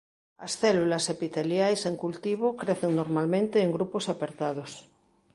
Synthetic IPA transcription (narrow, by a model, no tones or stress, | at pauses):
asθelulasepit̪eljajseŋkult̪iβ̞okɾeθeŋnoɾmalmẽnt̪eːŋɡɾuposapeɾt̪að̞os